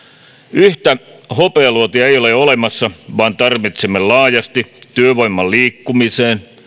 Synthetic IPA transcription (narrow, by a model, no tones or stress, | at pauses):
yht̪æhopeɑluot̪iɑejoleolemɑsːɑʋɑːnt̪ɑrʋit̪semːellɑːjɑst̪it̪yøʋoimːɑlliːkːumiseːn